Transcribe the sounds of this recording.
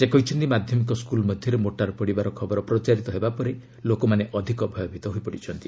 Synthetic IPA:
sekɔɦit͡ʃʰɔnt̪imad̪ʱjɔmikɔskulmɔd̪ʱjɔɾemoʈaɾpɔɽibaɾɔkʰɔbɔɾɔpɾɔt͡ʃaɾit̪ɔɦebapɔɾe | lokɔmaneʔɔd̪ʱikɔbʱɔjɔbʱit̪ɔɦuipɔɽit͡ʃʰɔnt̪i

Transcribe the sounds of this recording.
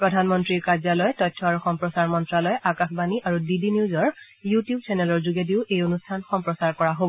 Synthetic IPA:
pɹɔdʱanmɔntɹiɹkazalɔjtɔjtʰːɔaɹuxɔmpɹɔsaɹmɔntɹalɔjʔakaxbaniʔaɹudidiniuzɔɹ | jutijub̚t͡ʃɛnɛlɔɹzuɡediʊʔejonustʰanxɔmpɹɔsaɹkɔɹaɦobɔ

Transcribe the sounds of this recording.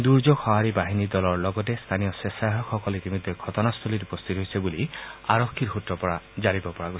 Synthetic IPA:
d̪uɾd͡ʒoɡhɔɦaɾibaɦinid̪ɔlɔɹlɔɡɔt̬est̪ʰanijɔsesaɦɔkʰːɔkɔletimɔd̪ʱjeɡʰʱɔtɔnast̪ʰolitupɔst̪ʰit̪ɦojsebuliaɾɔkʰːiɾɦutɾɔpɔɾad͡ʒaɾibɔpɔɹaɡos

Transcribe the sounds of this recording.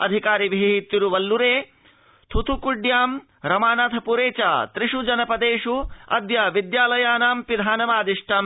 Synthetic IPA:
ɐ̰d̪ʱikaːɾiʋiɦiɦit̪juɾuʋɐlːuɾeː | t̪ʰut̪ʰukuɖjaːm | ɾɐmaːnat̪ʰɐpuɾeːt͡ʃaːt̪ɾiʂud͡ʒɐnɐpɐd̪eːʂuɐ̰d̪jɐʋid̪jaːlɐjaːnaːmpid̪ʱaːnɐmaːd̪iʂʈʰaːm

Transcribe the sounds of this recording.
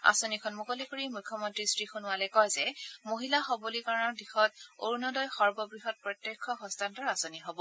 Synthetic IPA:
a̰sonikʰɔnmukolikoɹimujkʰːɔmɔntɹisɹixunʊwalɛkɔjzɛmoɦilaxɔbolikaɹɔnɔɹdixɔt̚o̰ɹnɔdɔjxɔɹbɔbɹiɦɔt̚pɹɔtjekʰːɔxɔstʰantɔɹasoniɦobɔ

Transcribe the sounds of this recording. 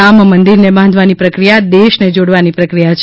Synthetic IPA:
ammənd̪iɾnebʱãnd̪ʱʋanipɾəkɾijad̪eʃned͡ʒoɽʋanipɾəkɾijat͡ʃʰ

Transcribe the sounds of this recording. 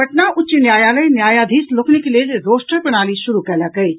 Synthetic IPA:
ɐʈnaʔʊtːt͡ʃinjaːjaːlɐinjaːjad̪ʱiːsloknekelieɾoːsʈəɾpɐnaːliʃʊɾukɛːlakɐi

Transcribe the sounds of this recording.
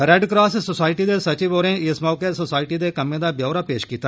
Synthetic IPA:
ɾɛɖkɾaːssosaːɪʈid̪eːsɐt͡ʃiboːɾẽːɪsmaːkesosaːɪʈid̪eːkɐmẽd̪aːbjoːɾaːpeːʃkiːt̪aː

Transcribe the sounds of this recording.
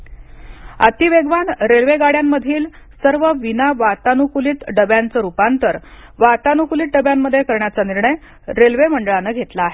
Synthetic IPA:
a̰t̪iːʋeɡʋanɾelʋeɡaɽjamːəd̪ʱiːl | səɾʋəʋinaʋat̪anukuliːt̪ɖəbjant͡səːɾupant̪əɾʋat̪anukuliːt̪̚ɖəbjamːəd̪ʱːjekəɾɳjat͡saniɾɳəj | ɾelʋeməɳɖəɭanəɡʱet̪laːɦe

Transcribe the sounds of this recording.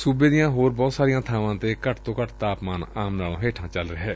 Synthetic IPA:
suːbeːd̪ɪjãːɦoːɾbɔːt̪saːɾɪjãːt̪ʰaːʋãːt̪eːkəʈʰt̪õːkəʈt̪aːpmaːnaːmnaːlõːɦeːʈʰãːt͡ʃəlɾeɦɛː

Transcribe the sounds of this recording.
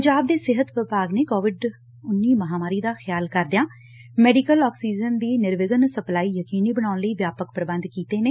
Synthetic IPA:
ɲd͡ʒaːb̚d̪eːsɪɦət̪ʋɪpaːɡneːkoːʋɪɖ | ʊnːiːməɦaːmaːɾiːd̪aːxʰəjaːlkəɾd̪ejãː | mɛːɖɪkəlɔːksiːd͡ʒənd̪iːnɪɾʋɪɡənsəplaːiːjəkiːniːbəɽ̃aːʊnləiːʋjaːpəkpɾəbə̃nd̪kiːt̪eːneː

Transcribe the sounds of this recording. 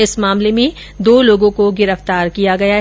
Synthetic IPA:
ɪsmaːmlemẽ | d̪oːloːɡõkoɡɪɾəft̪aːɾkijaɡɐjaɦ

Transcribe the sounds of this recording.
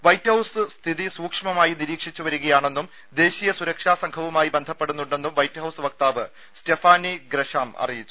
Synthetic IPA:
ʋɐjthɐwsɨst̪ʰiðisuːkʂɐmɐmaːjiniɾiːkʂit͡ɕːuʋɐɾuɣɐjaːɳe̞nːum | d̪e̞ːɕijɐsuɾɐkʂaːsɐŋkʰɐʋumaːjibend̪ʱɐpːe̞ɽunːuɳɖe̞nːumʋɐjtːɦɐwsɨʋɐk̚t̪aːʋɨ | stefaːniɡɾeʂaːmɐ̰rijit͡ɕːu̥

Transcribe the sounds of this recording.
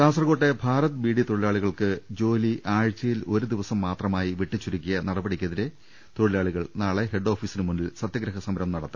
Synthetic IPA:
kaːsɐrɐɣo̞ːʈːebʱaːɾɐt̪ːɨbiːɽit̪oɽilaːɭiɣɐɭkɨd͡ʑo̞ːliʔaːɻt͡ɕːɐjilo̞ɾud̪iʋɐsɐmːaːt̪rɐmaːjiʋeʈːit͡ɕːuɾukʲːijɐnɐɽɐbɐɽikʲːɐðiɾe̞ | t̪oɻilaːɭiɣɐɭnaːɭe̞ɦeɖːo̞ːfiːsinɨmunːilsɐt̪jɐɡɾɐɦɐsɐmɐɾɐmnɐɽɐt̪ːɨ

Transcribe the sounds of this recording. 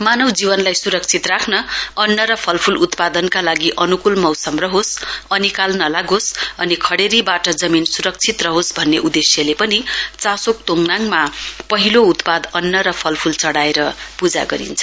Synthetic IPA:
manʌwd͡zibʌnlajsuɾʌk̚t͡sʰit̪rakʰnʌʌnːʌɾʌpʰʌlpʰulut̪pad̪ʌnkalaɡiʔʌnukulmʌwsʌmrʌɦosʌnikalnʌlaɡosʌnikʰʌɽeɾibaʈʌd͡zʌminsuɾʌk̚t͡sʰit̪rʌɦosbʱʌnːeʔud̪esjʌlepʌnit͡sãsok̚t̪oŋnaŋmapʌɦilout̪pad̪ʌnːʌɾʌpʰʌlpʰult͡sʌɽaeɾʌpud͡za̰ɡʌɾḭnt͡sʰʌ̥

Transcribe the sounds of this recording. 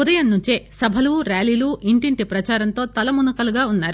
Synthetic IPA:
ud̪ɐjɐnnːuɲt͡ʃesɐbʱɐluːɾaːliːluːʔiɳʈiɳʈipɾɐt͡ʃaːɾɐnt̪o̞ːt̪ɐlɐmunukɐluɡaːunːaːɾu

